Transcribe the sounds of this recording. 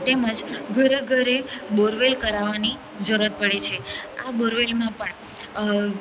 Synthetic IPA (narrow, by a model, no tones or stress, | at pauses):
t̪eməd͡ʒɡʱəɾəɡʱəɾeboɾʋelkəɾaʋani | d͡ʒəɾət̪̚pəɽet͡ʃʰeaboɾʋelmãpəɳ